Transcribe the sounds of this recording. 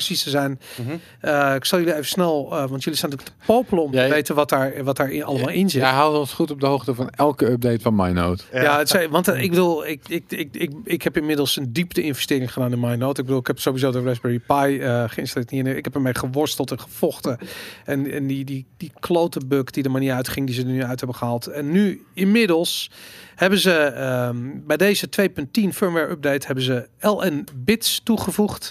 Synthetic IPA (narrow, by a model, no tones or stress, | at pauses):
əsistəzɛjn | əɪksɔlˠjøliejvəsnɛlˠəʋɑntjølisɛntylək̚tə̥powpələɔmtəʋejtənʋɔtaːɹʋɔt̚daːɹalˠəmalˠɪnzɪɦalˠtɔnsχutɔb̚dəɦowxtəvɔnɛlˠkəœp̚dejtfɔnmajno̰ːtjaətsʋɑntɪɡbədulˠɪkɪkɪkɪkɪkhɛpɪnmɪdəl̩ˠsəndiptəɪnfvəstɪːɹɪŋχədaːnɪnmajnowtɪɡ̚bədulˠɪkhɛpsoːʋizowdərɛzbɛɹipajəχəɪ̃nstalɪtniənɪɪ̰khɛpəmejχəʋɔɹstəlˠtɛnχə̥fɔχtəɛnɛ̰nididikʰlowtəbøkdidəmaniəɹœɥtχɪŋdizədənyœɥthɛbəχəɦaːlˠtɛnːyɪnmɪdəlˠshɛbənzəəbɛjdejzətʋejpɵntinføɹmʋɛɹʔɔp̚dejthɛbənzəɛlˠɛnbɪtstuχəvuχt